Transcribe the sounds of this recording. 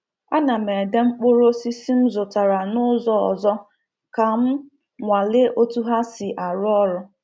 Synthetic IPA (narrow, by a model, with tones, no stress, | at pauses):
a˦na˨me˨de˦ŋ͡m̩˦k͡pʊ˦ɾo˦si˦si˦m̩˦zʊ˨ta˨ɾa˨nʊ˦zɔ˦ɔ̰˨zɔ˦ | ka˨m̩˦ | ŋʷa˨lɪ˦o˦tu˦ɦa˦si˨ʔa˨ɾʊ˦ɔ˦ɾʊ˦